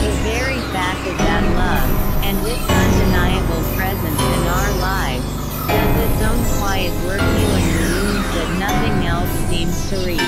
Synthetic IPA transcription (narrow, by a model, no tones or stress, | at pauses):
ðɨvɛɹifækʌvðɨtˡlʌvɨ̃nðɪðʌ̃ndɨnaɪɨbl̩ˠpʰɹ̥ɛzɨ̃nsɨ̃naʊə˞laɪvz̥ | dʌzðɨtsõʊ̃nkʰw̥aɪɨt̚wɜ˞kjʉɨ̃nʉ̃nzðɨtⁿnʌθɪ̃ŋɛlˠsĩmz̥tʰəɹi